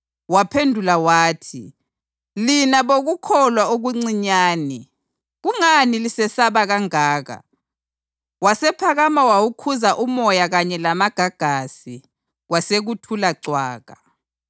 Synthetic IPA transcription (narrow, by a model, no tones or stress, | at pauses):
wapʰendʱulawaːtʰḭ | linaβoɣukʰɔlwaoɣuŋ͡ǀiɲaːni | ɣuŋanilisɛsaβaɣaŋaːɣa̰ | wasɛpʰaɣamawawukʰuzaʔumɔjaɣaɲɛlamaɡ̥ʱaɡ̥ʱasi | waseɣutʰulaǀwaːɣa